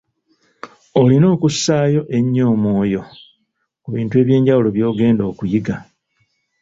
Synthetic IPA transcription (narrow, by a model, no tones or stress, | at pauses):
o̞lino̞ːkusːaːjo̞ʔe̞ɲːo̞ːmwo̞ːjo̞ | kuβiːntue̞ːβje̞ːɲɟawulo̞βjo̞ːɡe̞ːndo̞ːkujiɡa